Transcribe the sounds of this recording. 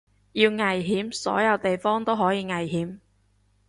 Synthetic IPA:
jiː˧wŋɐ˨jɦiː˨˥msɔ̰ː˨˥jɐ˨˧wt̪e˨jfɔː˥ŋt̪o˥wɦɔː˨˥jiː˨˧ŋɐ˨jɦiː˨˥m

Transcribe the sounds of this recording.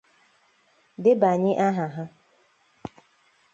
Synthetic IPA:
dɪ˦ba˨ɲɪ˦ʔa˦ɦa˨ɦa˦

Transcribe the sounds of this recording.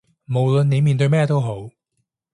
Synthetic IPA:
mo˨wlə˨nːe˨˧jmiː˨˩nt̪ɵ˧jmɛː˥˧t̪o˥wɦo˨˥w

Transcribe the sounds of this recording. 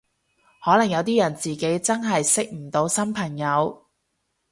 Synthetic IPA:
hɔː˨˥lɐ˨˩ŋjɐ˨˧wt̪̬iː˥jɐ˨˩nt͡siː˨˩ke˨˥jt͡sɐ˥nɦɐ˨jsɪ˥k̚m̩˨˩t̪o˨˧˥wsɐ˥mpʰɐ˨˩ŋjɐ˨˧w

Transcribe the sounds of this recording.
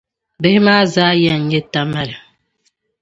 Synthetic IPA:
be˦hi˦ma˦za˦ja˦˨ɲ˨˦e˦ta˦ma˦˨lɛ˨

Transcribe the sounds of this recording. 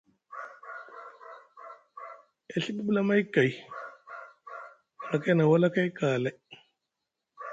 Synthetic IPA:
e˨ɬi˦ɓu˦ɓu˦la˦ma˦jka˨j | a˨na˨ka˦jna˨wa˦la˦ka˦jka˨la˦

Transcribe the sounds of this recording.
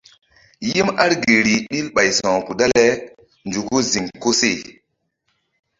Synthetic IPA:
ji˦ma˦ɾɡe˨ɾi˨ɗi˦lɓa˨jsɔ̃˨ku˨da˦lɛ˦ | nd͡ʒu˨ku˦zi˨ŋko˦se˦˨

